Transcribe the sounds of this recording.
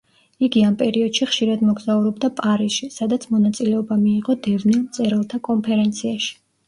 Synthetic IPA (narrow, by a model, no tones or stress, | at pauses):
iɡiampʼɛɾiɔd̪̥ʃiχʃiɾad̪mɔɡzauɾɔbd̪apʼaɾisʃisad̪at̪sʰmɔnat̪sʼilɛɔbamiːʁɔd̪ɛvnilˠmt̪sʼɛɾɛlˠt̪ʰakʼɔmpʰɛɾɛnt̪sʰiaʃi̥